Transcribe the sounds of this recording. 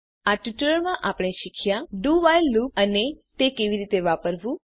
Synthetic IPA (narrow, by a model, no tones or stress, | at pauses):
aʈuʈəɾəɾmãʔapəɽ̃eʃikʰjaɖuʋajlːuənet̪ekeʋiɾit̪eʋapəɾʋũ